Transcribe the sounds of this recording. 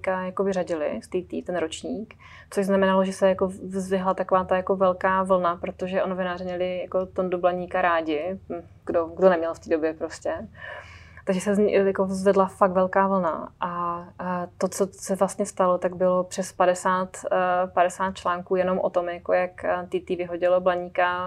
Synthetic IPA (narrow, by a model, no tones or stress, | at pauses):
ikajakovɪraɟɪlɪ̰st̪iːt̪ḭːt̪ɛnɾot͡ʃɲiːk | t͡soʒznamɛnaloʒɛsɛjako̞vzvɪɦlat̪ako̞vaːt̪ajako̞vɛlkaːvl̩napɾot̪oʒɛʔono̞vɪnaːrɪmɲɛlɪjako̞t̪ondublaɲiːkaɾaːɟɪ | ɡdoɡdonɛmɲɛlft̪iːdo̞bjɛpɾoscɛ | t̪aɡʒɛsɛz̰jakozvɛdlafakt̪vɛlkaːvl̩na̰ʔa | t̪o̞t͡sosɛvlast̪ɲɛst̪alo̞t̪aɡ̚bɪlopr̥ɛspadɛsaːt̪padɛsaːt̪̚t͡ʃlaːŋkuːjɛno̞mʔo̰t̪o̞mjakojakt̪it̪iːvɪɦoɟɪloblaɲiːka